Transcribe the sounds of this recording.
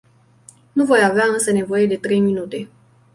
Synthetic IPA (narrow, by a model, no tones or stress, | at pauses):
nuvo̞javeaɨnsəne̞vo̞je̞d̪e̞t̪ɾe̞jminut̪e̞